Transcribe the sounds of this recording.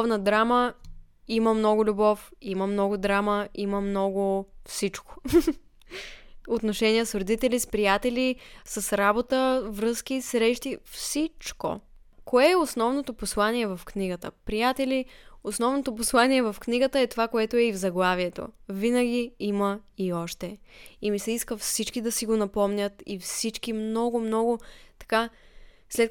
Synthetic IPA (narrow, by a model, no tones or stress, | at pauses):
vnəd̪ɾamə | iməmnɔɡʊlʲubɔfiməmnɔɡʊd̪ɾaməiməmnɔɡʊfsit͡ʃko̥ | ot̪noʃɛnijəsɾod̪it̪ɛlʲispɾijat̪ɛlʲisəsɾabot̪əvɾɤsk̟isɾɛʃt̪ifsit͡ʃko̰ | koɛːosnɔvnot̪oposlˠaniɛvɐfkniɡət̪ə̰pɾijat̪ɛlʲiosnɔvnot̪oposlˠaniɛvɐfkniɡət̪əɛt̪ovakoɛt̪oɛivzɐɡlˠaviɛt̪o̰vinəɡ̟ʲiiməiɔʃt̪ɛimisɛiskəfsit͡ʃkid̪ɐsiɡonɐpɔmnʲət̪ifsit͡ʃkimnɔɡomnɔɡʊt̪ɐ̥ka | slɛt̪